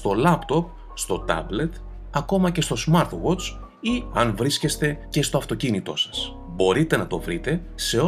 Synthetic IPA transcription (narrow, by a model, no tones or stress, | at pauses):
st̪o̞lɐpt̪o̞p̚ | st̪o̞t̪ɐ̰ble̞t̪ | ɐko̞mɐce̞st̪o̞smɐɾt̪wo̞t͡s | iɐnvɾisce̞st̪e̞ce̞st̪o̞ɐft̪o̞cinit̪o̞̰sɐ̥s | bo̞ɾit̪e̞nɐt̪o̞vɾit̪e̞ | se̞o